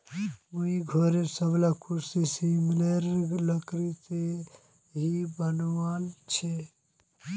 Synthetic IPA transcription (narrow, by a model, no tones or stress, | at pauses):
muiɡʱoɾesəblakʰuɾsisimleɾləkɾit̪e | ɦibənwant͡ʃʰe